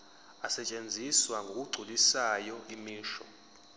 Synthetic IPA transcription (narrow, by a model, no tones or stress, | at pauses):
asɛt͡ʃʼend͡zʱiswaŋɡʱok̬ʼuɡ͡ǀʱulisajɔimiːʃɔ̰